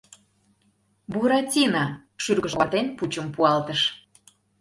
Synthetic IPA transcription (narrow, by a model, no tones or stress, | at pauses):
buɾɑtʲinɑ | ʃyrɣəʒɑt̪enput͡ɕəmpuɑlt̪əʃ